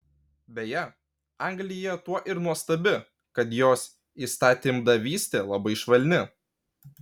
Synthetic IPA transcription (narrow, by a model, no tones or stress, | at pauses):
bʲɛjɛ | ɑŋɡlʲɪjɛt̪uɔʔɪɾnuɔst̪ɐbʲɪ | kɐt̪joːs | iːst̪ɑːt̪ʲɪmd̪ɐʋʲiːsʲt̪ʲeːlˠɐbɐɪʃʋɐlʲnʲɪ